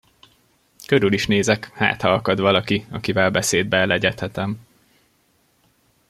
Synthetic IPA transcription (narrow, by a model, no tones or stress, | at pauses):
køɾyliʃneːzɛkha̰ːt̪hɒɒkɒd̪ʋɒlɒkiɒkivɛlbɛseːd̪̚bɛːlɛɟɛt̪hɛt̪ɛm